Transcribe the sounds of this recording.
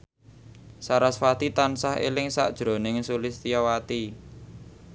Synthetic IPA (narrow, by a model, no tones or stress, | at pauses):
saɾasfat̪it̪ansaɦḛlɪŋsa̰ʔd̥ʒ̥ɾo̤nɪŋsulɪst̪ijawat̪i